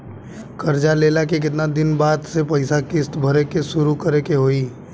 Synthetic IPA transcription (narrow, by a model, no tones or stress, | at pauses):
kɐɾd͡ʒaleːlakek̬ɪt̪nad̪ɪnbaːd̪sepɐɪsakɪst̪bʱɐɾekeʃʊɾukɐɾekeɦoːiː